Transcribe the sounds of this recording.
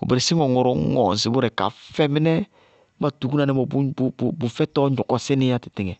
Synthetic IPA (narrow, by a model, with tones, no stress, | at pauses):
o̰˨be˨ɾe˨si˦ŋɔ˨ŋɔ˨ɾɔ˦ŋɔ̰˨n˨si˨bu˦ɾɛ˨ka̰˨fɛ˦mi˦nɛ˦ | ba˨tu˨ku˦na˨ɛ˦mɔ˨bu˦bbbu˨fɛ˦tɔ˦ɲɔ˨kɔ˨sɪ˦nɪ˦ja˦ti̥˨tɪ˦˨ŋɛ˨